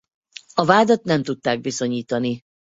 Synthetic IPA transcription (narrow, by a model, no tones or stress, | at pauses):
ɒvaːd̪ɒt̪nɛmt̪ut̪ːaːɡ̚biso̞ɲiːt̪ɒni